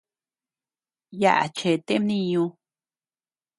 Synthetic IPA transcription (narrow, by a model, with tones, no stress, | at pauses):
ja̰˦˧ʔa̰˨t͡ʃe˨t̪e˦mnĩ˧ɲũ˧